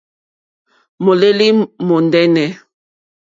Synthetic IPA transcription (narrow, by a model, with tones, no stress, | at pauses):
mo˨le˦li˦mo˨ndɛ˦nɛ˨